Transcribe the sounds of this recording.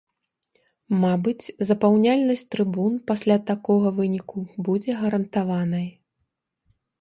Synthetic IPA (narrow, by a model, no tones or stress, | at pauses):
mabɨt͡sʲzɐpawnʲalʲnɐsʲtʲt̪ɾɨbunpasʲlʲat̪akɔɣɐvɨnʲikubud͡zʲɛɣɐɾɐnt̪avanɐj